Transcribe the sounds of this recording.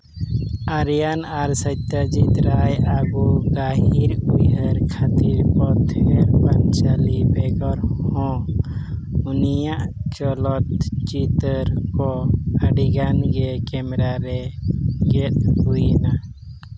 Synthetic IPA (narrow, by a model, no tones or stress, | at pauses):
aɾjanaɾsəjt̪ad͡ʒit̪ɾajabuɡaɦiɾujɦəɾkʰat̪iɾpɔt̪ʰɛɾpant͡ʃalibɛɡɔɾhɔ̃ | unijaʔt͡ʃɔlɔt̪t͡ʃit̪əɾkɔəɖiɡanɡɛkɛmɛɾaɾɛɡɛt̪̚hujna